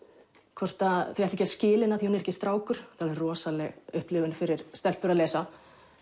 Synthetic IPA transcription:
kʰvɔr̥t̪aθiɛht̪ːcɛ̥scɪːlɪnaθjinɛɾɛcɪst̪ɾaːwkʏɾ̥θaðɛɾrrɔːsalɛɣʏhplɪvʏnfɪɾɪɾ̥st̪ɛlpʏɾaðlɛːsa

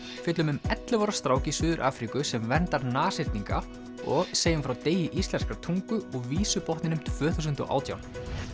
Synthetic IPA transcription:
fɪt̪lʏmʏmɛt̪lɪvɔɾast̪ɾaːwcɪsʏːðʏɾʔa̰ːfɾikʏsɛmvɛnt̪aɾnaːsɪɾ̥t̪niŋka̰ | ɔɣseːjɪmfɾawt̪eːjɪʔist̪lɛnskɾaɾt̪ʰuŋkʏɔɣviːsʏpɔht̪ɪnʏmt̪v̥œːθusʏnt̪ɔ̰ʔa̰ːwt̪ʰja̰wn

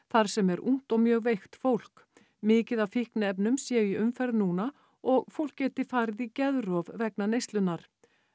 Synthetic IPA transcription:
θaɾ̥sɛmɛɾʔṵŋ̥t̪ɔɣmjœːɣvejxt̪fowl̥k | mɪːcɪðavfihknɪɛp̬nʏmsjɛːʏjɛʔʏmfɛɾðnuːna | ɔɣfowl̥kcːɛːt̪ɪfaːɾɪðicɛðɾɔvvɛknanejst̪lʏnːaɾ̥

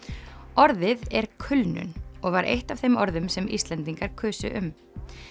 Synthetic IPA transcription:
ɔɾðɪðɛɾkʰʏlnʏ̰nɔɣvaɾʔḛjht̪av̥θejmɔɾðʏmsɛmḭst̪lɛnt̪iŋkaɾ̥kʰœːsʏ̰ʔʏm

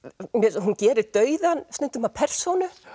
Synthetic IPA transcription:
mɛðɦuncɛːɾɪɾt̪œːɥðanst̪ʏnt̪ʏmapʰɛr̥sownʏ

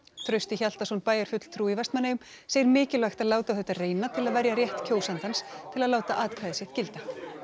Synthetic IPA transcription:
θʰɾœɥst̪ɪçal̥t̪asɔnpaːjɛɾ̥fʏt̪l̥t̪ʰɾuːivɛst̪manːajʏm | seːjɪɾmɪːcɪlvajxt̪aðlaːwt̪aθɛht̪ːareːjnat̪ʰɪlaðvɛɾjaɾrjɛht̪cʰoːwsant̪anst̪ʰɪlaðlaːwt̪aʔaːt̪kʰajðɪsjɛht̪cɪlt̪a

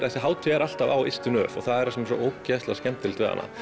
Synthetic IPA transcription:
θɛsɪɦaːwt̪ʰɛɾal̥t̪avawɪst̪ʏnœːfɔ̰ɣθaðɛɾɛsɛmɛsɔ̰ʔoːwcːaːst̪lascɛmt̪ʰɪlt̪vɛːða̰nːa̰

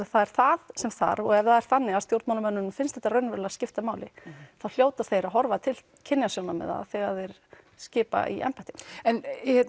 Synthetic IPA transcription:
θaðɛɾ̥θaðsɛmθa̰ɾɔɣɛvðaðɛɾ̥θanːɪɣast̪jowɾt̪mawlamœnːʏnmfɪnst̪ɛ̥t̪aɾrœɥnvɛɾlascɪft̪amaːwlɪθawl̥joːwt̪aɾ̥θejɾaɦɔɾvat̪ʰɪl | cʰɪnːjasownamɛ̰ða̰θɛɣaθejɾ̥ | scɪːpa̰ʔḭʔɛ̰mpajht̪ɪ̥mɛnɛt̪n

